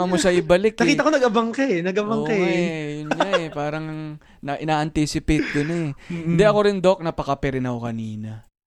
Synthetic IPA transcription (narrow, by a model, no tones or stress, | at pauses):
ɐmʊsɐʔɪbɐlɪk̪ːɐkiɐkonɐɡɐbɐŋkɐnɐɡɐbɐŋkejʊnɲaʔɛpaːɾɐŋ | nɐʔɪnaːʔɐnt̪isɪpɪt̪̚d̪ʊnɐɪnd̪ɛʔɐko̞ɾɪnd̪o̞k̚nɐpɐkɐpɛɾɪnɐkokɐniːnɐ